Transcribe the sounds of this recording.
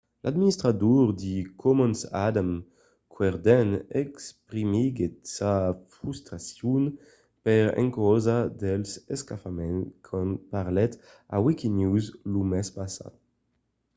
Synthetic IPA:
lʔad̪minist̪ɾad̪uʁd̪ikʰɔmɔnsad̪am | kwɛʁd̪ɛnekspʁimiɡetsafɾust̪ɾasjun | pɛʁɛ̰ŋkɔzad̪elseskafamɛnkʰɔnpaʁlɛt̪ | a̰wikinuzlumɛspasa̰d̪

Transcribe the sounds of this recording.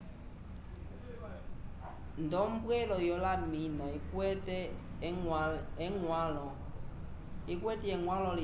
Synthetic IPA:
ndɔmbwɛlɔjɔlaminãikwɛtɛ | ɛŋwalɔ | ikwɛtɛɛŋwãlɔli

